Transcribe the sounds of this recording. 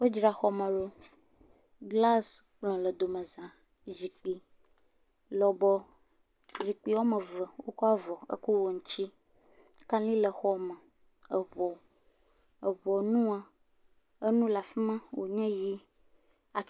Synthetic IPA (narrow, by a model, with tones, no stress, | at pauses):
wo˦d͡ʒɾa˨xɔ˦mə̃˨lo˦ | ɡla˦sk͡plɔ̃˨lə˨d̪o˨mə̃˨zã˨ | zi˨k͡pi˨ | lɔ˨bɔ˦ | ʒi˨k͡pi˦wo˦mə̃˨və˨wo˦kɔ˦a˦vɔ˨ə̰˦ku˦wo˨ŋũ˦t͡ɕi˦ | kã˦lĩ˦lə˨xɔ˦mə̃˨ | ə˨βɔ˨ | ə˨βɔ˨nũ˦a˨ | ə˦nũ˦la˨fi˦mã˦wʔo̰˨ɲɛ̃˦ji˦ | a˨